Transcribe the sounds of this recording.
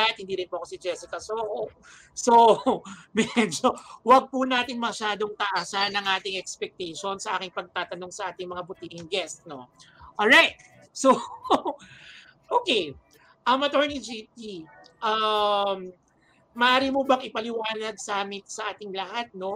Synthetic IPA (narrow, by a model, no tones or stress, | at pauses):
aɪt̪̚hɪnd̪iːɾɪnpoʔɐko̞sɪd͡ʒɛsɪkɐsoːho | so̞mɛd͡ʒo̞wɐɡ̚punaːt̪ɪŋmɐʃaːd̪o̞ŋt̪ɐʔaːsɐnːɐŋʔaːt̪ɪŋɛkspɛk̚t̪ɛjʃo̞nsɐʔaːkɪŋpɐɡ̚t̪aːt̪ɐno̞ŋsɐʔaːt̪ɪŋmɐŋabʊt̪iːʔɪŋɡɛst̪no̞ʔolɹajt̪̚ | so | ʔokej | ʔɐmɐt̪oɹnid͡ʒit̪̚i | ʔɐmː | ɐʔaːɾɪmobɐŋʔɪpɐlɪwaːnɐɡ̚sɐaːmɪt̪sɐʔaːt̪ɪŋlɐhat̪̚no̞